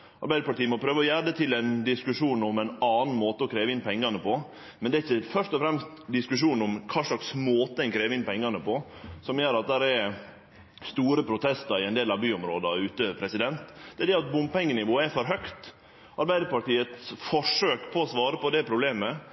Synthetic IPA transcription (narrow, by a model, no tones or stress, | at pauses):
ʔɑ̰ɾbæɪd̪əpɑʈiːəmɔpʰɾøːʋəɔjæːɖət̪ʰɪlɛnd̪ɪskʉʂuːnɔmɛnɑːnn̩moːt̪əɔkʰɾeːʋəɪnpʰɛŋːɑnəpʰɔ | mɛnd̪ɛæɾɪçːəfœʂt̪ɔfɾɛmst̪d̪ɪskʉʂuːnɔmkʰɑːʂɭɑksmoːt̪əɛɪnkʰɾeːʋəɪnpɛŋːɑnəpɔ | sɔmjøːɾɑt̪̚d̪æɾɛɾ | st̪uːɾəpʰɾʊt̪ʰɛst̪ɑɾɪɛnd̪eːlɑʋbyːɔmɾoːd̪ɑʉːt̪əəøpʰɾɛsɪd̪ɛnt̪d̪̥ɛæɖ̪ɛɑt̪̚bʊmpɛŋːənɪʋoːəæfɔɾɦœkt̪ | ʔɑɾbæɪd̪əɾpɑʈiːət̪sfɔʂøːkpʰɔːsʋɑːɾəpɔd̪ɛpʰɾʊbleːmə